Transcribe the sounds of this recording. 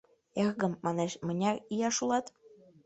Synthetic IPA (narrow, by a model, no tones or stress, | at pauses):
eɣɣə̆mːɑneʃmə̆nʲɑrijɑʃulɑt̪